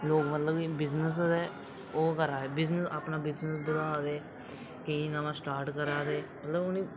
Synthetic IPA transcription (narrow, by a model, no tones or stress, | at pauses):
loːkmət̪ləbibɪznəs̬zɛː | oːkəɾaːɛːbɪznəsaːpnaːbɪznəsd̪ʊɾaːd̪eː | kəĩːnamãːsʈaːɾʈkəɾaːd̪eːmət̪ləbʊnĩː